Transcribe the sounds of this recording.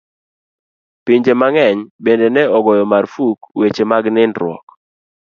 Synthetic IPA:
piɲd͡ʒemaŋɛɲbendenɛɔɡɔjɔmarfukwet͡ʃemaɡnɪndɾwɔ̰k

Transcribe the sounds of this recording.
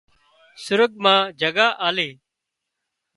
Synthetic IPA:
sʊɾəɠ̚mãːd͡ʒʱəɠaːʔaːleː

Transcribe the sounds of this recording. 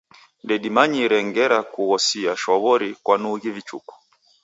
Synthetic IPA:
ndɛɗimaɲiɾɛŋɡɛɾakuɣɔsiaʃɔβɔɾikwanuɣivit͡ʃṵkɔ̥

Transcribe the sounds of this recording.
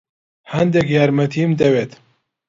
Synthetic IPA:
hɐnd̪ɛkjaːɾmɐt̪ʰimd̪ɐweːt̪

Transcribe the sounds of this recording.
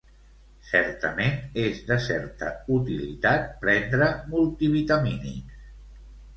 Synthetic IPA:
sɛɾt̪əmenezðəsɛɾt̪ə̰ut̪ilḭt̪at̪̚pɾɛnd̪ɾəmulˠt̪iβit̪aminḭs

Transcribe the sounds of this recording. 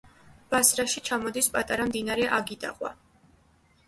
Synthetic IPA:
b̥asɾaʃit͡ʃʰamɔd̪ispʼat̪ʼaɾamd̪inaɾɛʔaɡid̪a̰qʼwa̰

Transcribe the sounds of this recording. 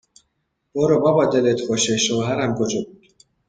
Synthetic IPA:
b̥oɾobɒːbɒːd̪elet̪ʰboʃeʃoːɦæɾæmkʰod͡ʒɒːbuːd̪̥

